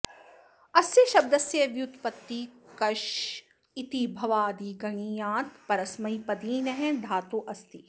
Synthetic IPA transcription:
ɐsjɐʃɐb̚d̪ɐsjɐʋjut̪pɐt̪ːikɐʃ | it̪ibʱɐʋaːd̪iːɡɐɳ̃iːjãːt̪pɐɾɐsmɐipɐd̪iːnɐɦɛ̃d̪ʱaːt̪uʔɐst̪i

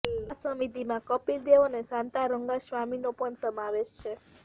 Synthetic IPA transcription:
səmit̪imãkəpild̪eʋonesãnt̪aɾəŋɡaʃʋaminopəɳsəmaʋeʃt͡ʃʰe

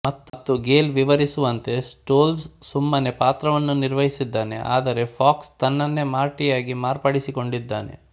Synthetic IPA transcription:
mɐt̪ːt̪ːuɡe̞ːlʋiʋɐɾisuʋɐnt̪e̞sʈoːlssumːɐnepaːt̪ɾɐʋɐnːuniɾʋɐɦisid̪ːaːnḛʔa̰ːd̪ɐɾe̞fʰaːkst̪ɐnːɐnːe̞maːɾʈijaːɡimaːɾpɐɽisiko̞ɳɖid̪ːaːnḛ

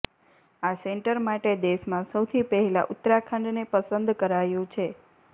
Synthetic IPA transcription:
aseɳʈəɾmaʈed̪eʃmãsəwt̪ʰipəɦɛla̰ʔʊt̪ːɾakʰə̃ɳɖ̪nepəsənd̪kəɾajũt͡ʃʰe

